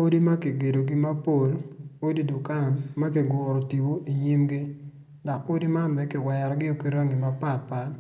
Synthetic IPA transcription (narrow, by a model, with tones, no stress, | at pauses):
o˦di˦ma˦ki˨ɡe˨do˨ɡɪ˦ma˦po˨lo˦di˦dʊ˨ka˦˨nma˦kɪ˨ɡʊ˨ɾo˨ti˨bo˦ʔi˨ɲi˦mɡɪ˦ | da˨ko˦di˦ma˦nbɛ˨kɪ˨wɛ˨ɾɡɪ˦o˨ki˦ɾa˦ŋi˨ma˨pa˦˨tpa˨t